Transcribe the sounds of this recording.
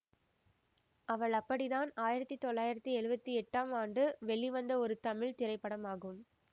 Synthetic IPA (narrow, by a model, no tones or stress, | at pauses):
ɐʋɐɭɐpːɐɽiðaːnaːjɪɾɐt̪ːit̪ɔɭːaːjɪɾɐt̪ːiɛɻɯbɐt̪ːiɛʈːaːmaːɳɖɯʋɛɭːiʋɐnd̪ɐɔɾɯt̪ɐmɪɭt̪ɪɾɐɪpːɐɽɐmaːɣɯm